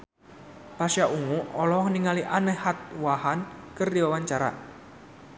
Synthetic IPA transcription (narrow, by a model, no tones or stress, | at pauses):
pasjaʔuŋuɔlɔŋniŋaliʔanəhat̪̚wahankərdiwawaɲt͡ʃaɾa̰